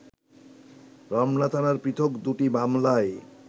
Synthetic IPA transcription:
ɾɔmnat̪ʰanaɾpɾit̪ʰokd̪uʈibamlae

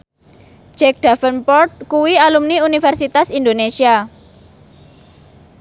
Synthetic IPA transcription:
d͡ʒ̥ɛk̚ɖ̥a̤fənpɔrt̪̚kuwialumniunifɛrsit̪asind̪onesia

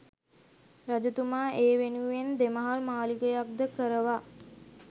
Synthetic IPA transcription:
rad͡ʒət̪umaːʔeːʋenuend̪eməɦalmaːlikəjak̚d̪əkəɾəʋa

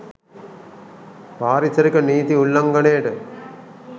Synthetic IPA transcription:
paːɾit͡ʃɐɾikɐniːt̪iulːɐŋɡɐneːʈɨ

